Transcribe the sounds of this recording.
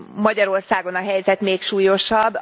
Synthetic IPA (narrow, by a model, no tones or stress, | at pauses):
mɒɟɒɾo̞rsaːɡo̞nɒɦɛjzɛt̪meːkʃuːjo̞ʃɒbː